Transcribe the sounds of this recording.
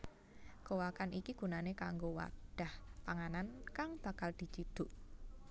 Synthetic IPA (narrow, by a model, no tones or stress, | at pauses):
kowakanikiɡ̥ṳnanekaŋɡowa̰rɖ̥a̤hpaŋanankaŋb̥a̤kald̪̥i̤t͡ʃid̪̥ʊ̤ʔ